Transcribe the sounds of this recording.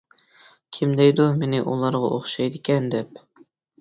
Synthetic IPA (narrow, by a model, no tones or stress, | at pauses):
kʲʰimd̪ɛjd̪umenɪʔulˠɑɾʁɑ̰ʔoχʃɑjd̪ɪkʲʰɛnd̪ɛp̚